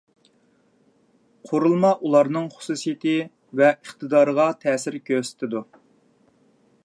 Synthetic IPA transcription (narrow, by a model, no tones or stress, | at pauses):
qʰoɾulˠmɑʔulˠɑɾnɨŋχʊ̥susijɪt̪ɪ | vɛəχt̪ɨd̪ɑːɾəʁɑt̪ʰɛːsɪɾkʲʰøsɪ̥t̪ʰɪd̪u